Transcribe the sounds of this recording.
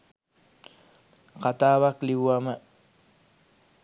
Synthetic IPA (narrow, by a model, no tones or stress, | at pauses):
qɑt̪aβaklɪwama